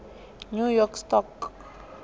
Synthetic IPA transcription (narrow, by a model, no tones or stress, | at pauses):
njujɔɾkst̪ɔk